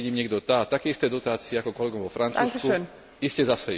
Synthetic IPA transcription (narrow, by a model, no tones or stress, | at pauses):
ɟiːmɲɛɡd̪ɔt̪at̪akɛist̪ɛːd̪ɔt̪aːt͡siiakɔkɔlɛɡɔmʋɔfɾant͡suːsku | iscɛzasɛ